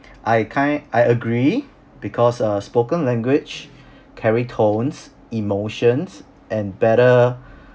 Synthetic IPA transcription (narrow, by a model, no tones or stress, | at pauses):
ʔajkʰãʔajəɡɹi | b̥ikʰɔsəspokə̃nlɛ̃ŋɡwɪt͡ʃ | kʰɛɹitʰõns | imoʃə̃ns | ʔɛ̃nbɛɾə